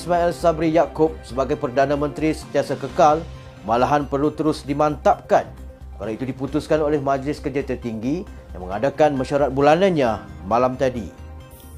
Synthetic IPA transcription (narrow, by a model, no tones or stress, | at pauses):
smaɛlsabɾijakʊp̚səbaɡajpərdanãmə̃nt̪ɾisənt̪iasakəkal | malaɦanpərlut̪əɾʊsdimãnt̪ap̚kan | kalait̪udiput̪ʊskanolɛhmãd͡ʒlɪskərd͡ʒat̪ərt̪iŋɡijã̰ŋmə̰ŋadakanmãʃaɾat̪̚bulanãnɲãmãlamt̪adi